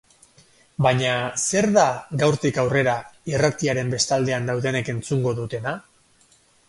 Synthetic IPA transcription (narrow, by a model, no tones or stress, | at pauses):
baɲase̞ɾðaɣawɾt̪ikawre̞ɾairat̪iaɾe̞mbe̞st̪ald̪e̞and̪awðe̞ne̞ke̞nt͡suŋɡo̞ðut̪e̞na